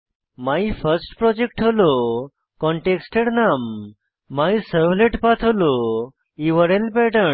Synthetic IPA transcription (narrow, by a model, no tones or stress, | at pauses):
maifʰəɾsʈpɾɔd͡ʑek̚ʈɦolo | kɔɳʈeksʈeɽnamː | aisəʋleʈpat̪ʰɦolo | iʋəɾelpɛʈə